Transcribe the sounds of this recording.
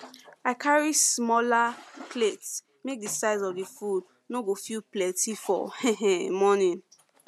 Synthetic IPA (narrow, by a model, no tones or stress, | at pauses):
akʰaɹismɔlaklets | mek̚disaɪzɔdifud | noɡofilplɛtifɔ̰hɛ̃ɛ̃mɔnĩn